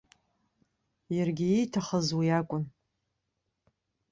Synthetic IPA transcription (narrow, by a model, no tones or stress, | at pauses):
jarɡʲɪejtʰaχəzwijakʷʼʊn